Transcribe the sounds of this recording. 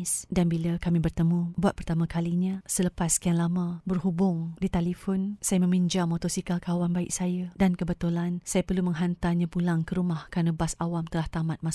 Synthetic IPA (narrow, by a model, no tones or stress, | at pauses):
sdanbilakamĩbərt̪əmũbuat̪̚pərt̪amãkaliɲãsələpaskəaŋlamãbərhubʊŋdit̪alifɔnsajamə̃mĩɲd͡ʒamot̪ɔsikalkawanbaɪ̰ʔ̚sajadankəbət̪ulansajapərlumə̃ŋɦant̪aɲãpulaŋkəɾumahkɾanəbasawamt̪əlaht̪amat̪̚mas